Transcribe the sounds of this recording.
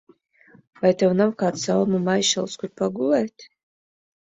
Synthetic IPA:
vajt̪awnamkaːt̪salmumajʃalˠskʷut̪̚pʰaɡulˠɛjt̪

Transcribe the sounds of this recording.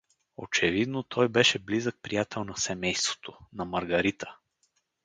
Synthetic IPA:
o̰t͡ʃɛvid̪not̪ʰɔjbɛʃɛblizək̚pɾijat̪ʰɛlˠnɐsɛmɛjst̪vo̥t̪ʰonɐmɐɾɡɐɾit̪ə̥

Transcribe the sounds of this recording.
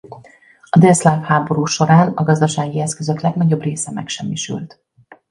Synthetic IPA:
ɒd̪ɛlslaːfhaːbo̞ɾuːʃo̞ɾaːnɒɡɒzd̪ɒʃaːɡiɛskøzø̞klɛɡnɒɟo̞breːsɛmɛ̰kʃɛmːiʃy̰lt̪

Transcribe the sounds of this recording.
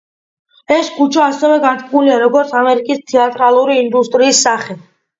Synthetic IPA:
ɛskʰut͡ʃʰaːsɛvɛɡat̪ʼkʼmuliaɾɔɡɔɾt̪sʰamɛɾikʼist̪ʰɛat̪ʼɾalˠuɾiːnd̪ust̪ʼɾiːsːaχɛ

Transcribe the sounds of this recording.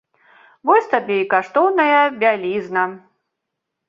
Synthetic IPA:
vɔsʲt̪abʲeikaʂt̪ɔwnɐjɐbʲalʲiznɐ

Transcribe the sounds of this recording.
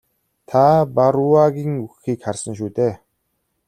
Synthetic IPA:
t̪ʰapaɾuaɣʲiːŋuxiːkχarsə̆nʃ̬uːt̪eː

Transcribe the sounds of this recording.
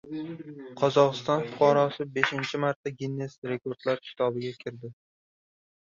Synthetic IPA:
qʰɒzɒqɨst̪ɒnfʊqʰɒɾɒsɪbe̞ʃɪnt͡ʃʰɪmaɾt̪ʰːaɡʲinːesɾe̞kʰo̞ɾd̪̥laɾkʲʰɪ̥t̪ʰɒbɪɡʲakʲʰɪɾd̪ɪ

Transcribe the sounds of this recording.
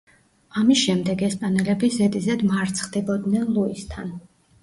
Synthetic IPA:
amisʃɛmd̪ɛɡɛspʼanɛlɛbizɛd̪ʼizɛd̪maɾt̪sʰχd̪ibɔd̪nɛnlˠuist̪ʰan

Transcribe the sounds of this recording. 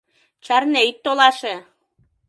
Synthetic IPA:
t͡ɕɑrneit̪ːolɑʃe

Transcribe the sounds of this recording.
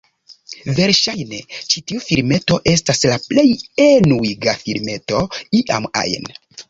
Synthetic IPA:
ve̞ɾʃajne̞t͡ʃitiufiɾme̞to̞ʔe̞staslaple̞jenuiɡafiɾme̞to̞iʔa̰ma̰jn

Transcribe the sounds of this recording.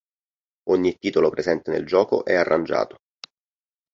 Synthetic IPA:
oɲːit̪ːiːt̪olopɾezɛnt̪enḛld͡ʒɔːko̰ʔɛarːand͡ʒa̰ːt̪o

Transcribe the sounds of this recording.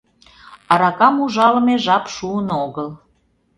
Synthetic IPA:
ɑɾɑkɑmuʒɑləmeʒɑpʃuənoɣəl

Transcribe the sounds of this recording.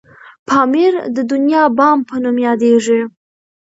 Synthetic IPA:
pʰɑmɪɾd̪əd̪ʊnjɑbɑmpʰənumjɑd̪eʐi

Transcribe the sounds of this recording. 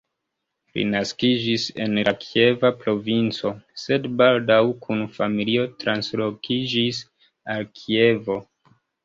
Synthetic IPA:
lḭnaskid͡ʒise̞̰nlakʰie̞vapɾo̞vint͡so̞se̞dbaldawkʰunfamilio̞tɾanslo̞kid͡ʒis | alkʰie̞vo̞

